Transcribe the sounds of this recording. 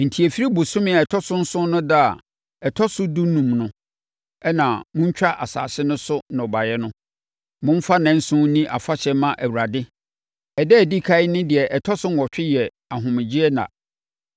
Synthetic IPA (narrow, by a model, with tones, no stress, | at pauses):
n̩˨tʰi˨e˨fi˦ɾi˦bʊ˨sʊ̃˦mɪ̃˦a˨ɛ˨tʰɔ˦sʊ̃˦n̩˦sʊ̃˦nʊ̃˦da˦a˨ | ɛ˨tʰɔ˦sʊ˦du˦nũ˨mnʊ̃˦ | ɛ˦nã˨mʊ̃˦ɲ̩˦t͡ɕᶣa˦ʔa̰˨sa̰ː˨sɪ˦nʊ̃˦sʊ˦nã˨ɔ˨ba˨jɛ˦nʊ̃˦ | mʊ̃˦m̩˦fa˦nɛ̃˦n̩˦sʊ̃˦nĩ˦ʔa˨fa˦ɕɛ˦mã˦ʔæ˨wu˨ɾa˨dɪ˦ | ɛ˨dɛ˦˨di˦kʰa˦ɪ˦nɪ̃˦dɪ˨ɛ˨ʔɛ˨tʰɔ˦sʊ̃˦n˦˨wɔ˨t͡ɕᶣɪ˦jɛ˨ | a˨ɦʊ̃˨mɪ̃˨d͡ʑi˦ɛ˦nã̰˨